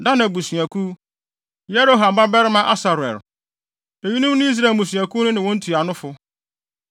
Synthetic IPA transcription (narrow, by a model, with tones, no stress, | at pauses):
da˦nã˨bu˨sɥæ˨kʰu˦ | jɛ˦ɾo˦ɦã˨m˨ba˦bɛ˦ɾɪ˦mã˦ʔa˦sa˨ɾʊ˨ɛ̰˨ɾ | e˨ɲi˦nũ˦mnʊ̃˦i˦s̬ɾa˨mũ˨s̬ɥ̃æ˨ku˦nʊ̃˦nɪ̃˨wɔ̃˦n̩˦tʰu˨a˨nʊ̃˦fʊ˦